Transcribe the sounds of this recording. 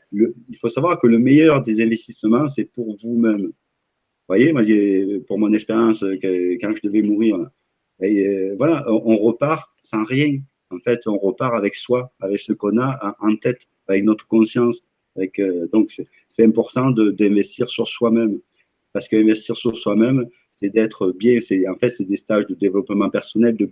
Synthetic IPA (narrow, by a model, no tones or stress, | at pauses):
ləilfosavwaʁkələmejœʁd̪ezɛ̃vɛst̪isəmɑ̃sɛpuʁvumɛm | vwajemwaʒepuʁmɔ̃nɛkspeʁjɑ̃skəkɑ̃ʒəd̪əvɛmuʁiʁla | bɛvwalaʔʔɔ̃ʁəpaʁ | sɑ̃ʁjɛ̃ | ɑ̃fɛt̪ɔ̃ʁəpaʁavɛkswaavɛksəkɔ̃nãʔɑ̃t̪ɛt̪ | avɛknɔt̪χə̥kɔ̃sjɑ̃s | avɛkød̪ɔ̃ksɛ | sɛt̪ɛ̃mpɔʁt̪ɑ̃d̪əd̪ɛ̃vɛst̪iʁsyʁswamɛm | paʁsə̥kəɛ̃vɛst̪iʁsyʁswamɛm | sɛd̪ɛt̪χəbjɛ̃sɛɑ̃fɛt̪sɛd̪est̪aʒd̪əd̪evəlɔpmɑ̃pɛʁsɔnɛld̪ə